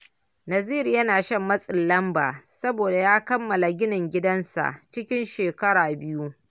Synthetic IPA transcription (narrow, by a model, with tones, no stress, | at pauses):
nɐ˨ziː˦ɾjɐ˦naː˨ʃɐ˦mːɐ˦sʼɪ˨lːɐ˦mba̰ː˨sɐ˦boː˨da˨jaː˦kɐ˦mːɐ˨la˨ɡʲɪ˦nɪ˨ŋɡʲɪ˦dɐ˦nsa̰˨ʔt͡ʃɪ˦kʲɪ˦nʃeː˨kɐ˦ɽaː˨bɪ˦ju˦